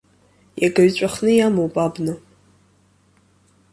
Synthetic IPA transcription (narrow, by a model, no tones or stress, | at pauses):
jaɡaɥt͡ɕʷʼaχnɨjamowpʼabnɨ